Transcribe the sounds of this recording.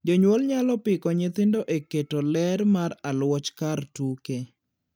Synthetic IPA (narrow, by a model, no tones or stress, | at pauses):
d͡ʒoɲwolɲalɔpɪkɔɲɪt̪ɪndoʔeketolɛɾmaɾalwɔt͡ʃkartuke